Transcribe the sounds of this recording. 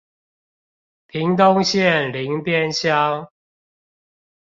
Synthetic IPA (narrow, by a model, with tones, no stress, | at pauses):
pʰi˨˦ŋt̪o˦ŋɕjɛ˥˨nli˨˦ŋpjɛ˥˨nɕjɑ˦ʊ